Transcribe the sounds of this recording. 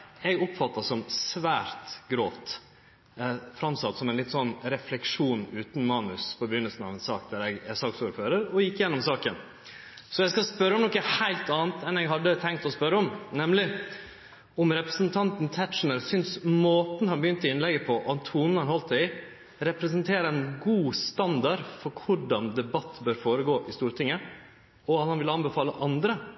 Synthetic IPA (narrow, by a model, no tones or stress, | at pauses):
ɛɡɔpfɑt̪ːɑsɔmsʋæːɾt̪ɡɾoːft̪ | fɾɑmsɑt̪ːsɔmɛnlɪt̪ːsɔnːɾɛflɛkʂuːnʉːt̪n̩mɑːnʉspʰɔbəɾjʏnːəlsən̩ɑ̰ʋɛnsɑːk̚d̪æɾɛɡɛsɑksuːɾføːɾəɾɔjɪkːjɛnːɔmsɑːkən | sɔɛskɑspœɾːəɔmnɔkːəhæɪlt̪ɑːnt̪ʰɛnɛɡɦɑd̪ːət̪ʰɛŋkt̪ɔspœɾəɔmnɛmlɪ | ɔmɾɛpɾəsənt̪ʰɑnt̪nt̪ʰæt̪ʂnəɾsʏnsmoːt̪nhɑnbəjʏnt̪ɪɪnlɛɡːəpʰɔʔɑnt̪ʰuːnn̩hɑnhɔlt̪æɪ | ɾɛpɾəs̬ənt̪ʰeːɾəɛnɡuːst̪ɑnd̪ɑɾfɔɾkʰʊɖɑnd̪ɛbɑt̪ːbøːɾfoːɾəɡoːʔɪst̪uːɾt̪ʰɪŋːə | ɔɑt̪hɑnʋɪlɑnbəfɑːləʔɑnd̪ɾə